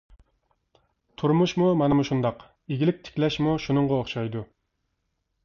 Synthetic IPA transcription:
t̪ʰuɾmuʃmumɛnɪmuʃund̪ɑq | eɡʲilɪk̚ʲt̪ʰɪ̥kʲlɛʃmuʃunɨŋʁɑoχʃɑjd̪u

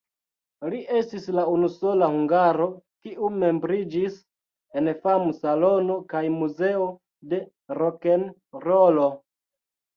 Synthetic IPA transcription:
liʔe̞stislaunuso̞lahuŋɡaɾo̞kiʔume̞mbɾid͡ʒis | e̞nfamusalo̞no̞kajmuze̞o̞ | de̞ | ɾokenɾolo̞

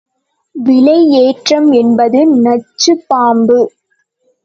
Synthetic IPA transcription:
ʋɪlɐɪeːʈrɐmɛnbɐðɯnɐt͡ʃːɯpːaːmbɯ

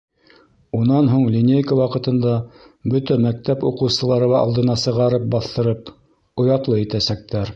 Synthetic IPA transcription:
unɑnɦuɴlʲinʲejkəwɑqɤ̆t̪ɤ̆nd̪ɑ | bɵt̪æmæk̚t̪æpuqɤ̆wsɤ̆lˠɑɾɤ̆lɑɑ̰lˠd̪ɤ̆nɑsɤ̆ʁɑɾɤp̚bɑθt̪ɤ̆ɾɤp | ŏjɑt̪lˠɤit̪æsæk̚t̪æɾ

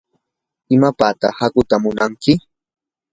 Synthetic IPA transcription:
ɪmapaːt̪ɑhakʊt̪amʊnaŋkɪ

